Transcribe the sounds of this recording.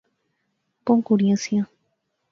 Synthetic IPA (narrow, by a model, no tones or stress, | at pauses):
kõŋkuɾjẽnsja